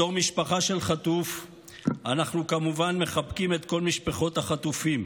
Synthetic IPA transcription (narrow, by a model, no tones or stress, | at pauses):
o̞ʁmiʃpaχaʃe̞lχat̪uf | anaχnukamuvanme̞χapkime̞t̪ko̞lmiʃpaχo̞t̪aχatufim